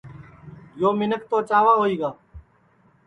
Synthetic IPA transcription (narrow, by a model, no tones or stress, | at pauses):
joːmɪnək̚t̪oːt͡ʃaːʋaːɦoːiːɡaː